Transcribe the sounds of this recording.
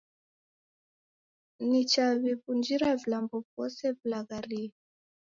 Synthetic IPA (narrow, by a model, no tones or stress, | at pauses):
nit͡ʃaβipund͡ʒiɾavilambɔvɔsɛvilaɣaɾi